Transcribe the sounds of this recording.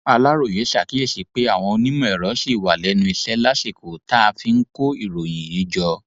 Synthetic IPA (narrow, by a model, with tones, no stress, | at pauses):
a˧la˦ɾo˦˨je˨˦ʃa˨ki˨˦e˦˨ʃi˨˧˦k͡pe˦a˦˨w̃ɔ̃˧nĩ˦mũ˦˨ɛ˨ɾɔ˨˦si˦˨wa˨lɛ˨˦nũ˧i˧sɛ˦la˦si˦˨ko˨ta˦a˧fi˧ŋ̩˦ko˦i˦˨ɾo˨ji˨ji˨˦d͡ʒɔ˧